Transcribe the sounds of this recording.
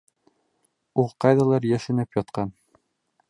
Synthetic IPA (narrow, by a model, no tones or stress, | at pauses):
uqɑjðɑlˠɑɾjæʃɘ̆nɘpjɑt̪qɑn